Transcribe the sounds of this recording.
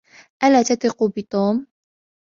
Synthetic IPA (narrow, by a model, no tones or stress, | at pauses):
ʔalaːt̪at̪ˤɪqubɪt̪ˤuːm